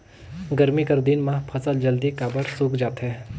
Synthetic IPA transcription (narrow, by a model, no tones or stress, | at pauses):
ɡɐɾmikɐɾd̪inmãpʰɐsəld͡ʒɐld̪ikaːbəɾsuːkd͡ʒaːt̪ɦɛː